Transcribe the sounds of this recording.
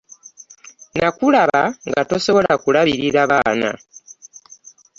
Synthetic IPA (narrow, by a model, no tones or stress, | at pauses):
nakulaβaŋɡato̞so̞βo̞lakulaβiɾiɾaβaːna̰